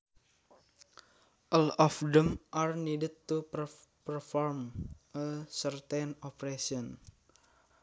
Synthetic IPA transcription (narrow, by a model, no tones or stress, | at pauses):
ʔɔlɔfdɛmʔarnidəd̚t̪upəpərfɔrməsərt̪enɔpɾesiɔn